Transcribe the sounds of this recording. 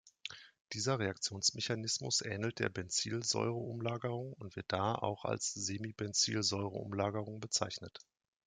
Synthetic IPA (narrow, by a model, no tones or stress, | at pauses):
d̥iːzɐʁeak̚t͡sjoːnsmɛçanɪsmʊ̰sʔɛ̰ːnəl̩t̚d̥ḛːɐbɛnt͡sḭːlzɔ̰ʏʁəʔʊmlaːɡəʁʊŋʊntv̥ɪɐt̚d̥aːʔa̰ʊxa̰lsz̥eːmibɛnt͡sḭːlzɔʏʁə̰ʔʊ̰mlaːɡəʁʊŋbət͡saɪçnət